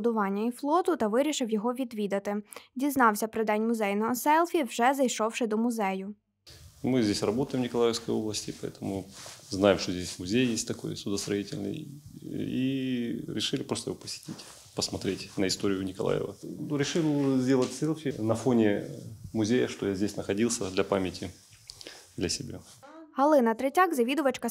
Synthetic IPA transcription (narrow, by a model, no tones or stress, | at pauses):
d̪ʊʋɑnʲːɐiflˠɔt̪ʊt̪ɐʋɪɾʲiʃɪwjɔɦɔʋʲid̪ʋʲid̪ɐt̪ɪdʲiznɑwsʲɐpɾɪd̪ɛnʲmʊzɛjnɔɦɔsɛlˠfʲiwʒɛzɐjʃɔwʃɪd̪ɔmʊzɛjʊ | mɨzʲdʲesʲrɐbot̪əjɪmnʲɪkɐlˠajɪfskəjo̞blˠəsʲtʲɪpɐɛ̰t̪ʰəmʊznajɪmʂt̪ozʲdʲesʲmʊzʲejjesʲtʲt̪ɐko̞jsʊd̪əst̪ɾɐitʲɪ̰lʲnɨ̰j | ḭɾʲɪʂɨlʲɪpɾost̪əjɪʋopəsʲɪ̥tʲitʲ | pəsmɐt̪ɾʲetʲnəɪst̪o̞ɾʲɪjʊnʲɪkɐlˠa̰jɪ̰və̰nuɾʲɪʂɨlˠzʲdʲelˠətʲsʲɨlˠfʲnɐfo̞nʲɪmʊzʲejəʂt̪ojazʲdʲesʲnəxɐdʲilˠsʲəd̪lʲɐpamʲɪtʲɪ | d̪lʲɐsʲɪbʲa̰ | ɦɐlˠɪnɐt̪ɾɪtʲaɡzɐʋʲid̪ʊʋɐt͡ʃkɐ